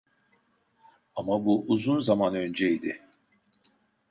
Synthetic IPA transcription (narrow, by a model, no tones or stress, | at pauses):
amabuʔːzunzamanø̞nd͡ʒɛid̪ɪ